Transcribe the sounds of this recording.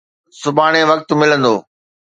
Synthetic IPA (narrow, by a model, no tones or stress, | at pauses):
sʊbʱaːɽ̃eʋɐk̚t̪mɪlə̃nd̪oː